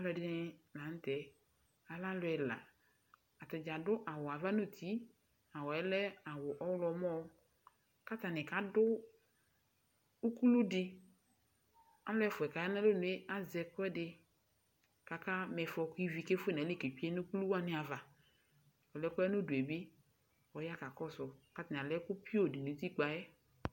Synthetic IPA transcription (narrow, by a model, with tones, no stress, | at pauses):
a˨˦lʊ˦ɛ˨dɪ˦nɪ˦nã˨n̩˦tɛ˨ | a˨la˦lʊ˦ɛ˨la̰˨ | a˨tɪ˨d͡ʒa˨dʊ˦ʔa˨wʊ˨a˨va˦no˦˨t̪ʰi˨˦ | a˨wɔ˨ɛ˦lɛ˦a˨wʊ˨ʔɔ˦wlɔ˨mɔ˦ | ka˦t̪a˨nɪ˨ka˨dʊ˦ | u˦ku˦lu˦dɪ˦ | a˦lɛ˦fʊ˨ɛ˨ka˨ja˦na˦lo˦nʊ˨e˦a˨zɛ˨kʊ˦ɛ˦dɪ˧ | ka˨ka˦mɛ˨fɔ˨kʊ˦i˦vi˨ke˦fʊ˦e˦˨nɛ˨˦le˦˨ke˨pi˦e˦nʊ˦ku˦lu˦wa˦nɪ˦a˨va˨ | ɔ˨lɛ˦kʷɛ˦nʊ˦du˨e˨be˦ | ɔ˨ja˦ka˨kɔ˦sʊ˨ka˦ta˨n˨a˨lɛ˦kʊ˦pi˦o˦˨dɪ˨nu˨˦t̪i˦k͡pa˨jɛ˦